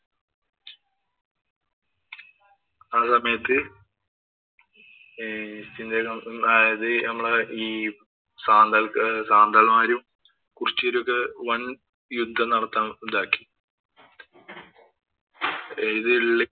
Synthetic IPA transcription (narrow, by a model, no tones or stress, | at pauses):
aːsɐmɐjɐt̪ːɨ | ist̪ind̪ekɐajɐðɨnɐmːɐɭiː | saːnd̪ɐlksaːnd̪ɐlmaːɾum | kurit͡ɕːoɾokːeʋɐn | jud̪ʱːɐnɐɽɐt̪ːaːmɖaːkːi̥ | iðɨɭːi